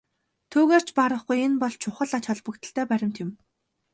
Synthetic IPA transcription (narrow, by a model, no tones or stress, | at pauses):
t̪ʰuːɣeːr̥t͡ɕʰpaɾə̆χɡujenpɔɮt͡ɕʰʊχə̆ɮat͡ɕʰɔɮpə̆kt̪ʰə̆ɬt̪ʰæːpæɾʲɪ̆m̥t̪ɪ̆m